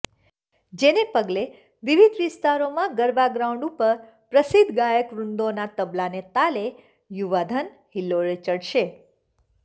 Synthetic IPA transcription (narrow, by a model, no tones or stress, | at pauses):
d͡ʒenepəɡle | ʋiʋid̪ʱʋɪst̪aɾomãɡəɾbaɡɾaũɳɖupəɾ | pɾəsid̪ʱɡajəkʋɾund̪onat̪əblanet̪ale | juʋad̪ʱən | hilːoɾet͡ʃəɽʃe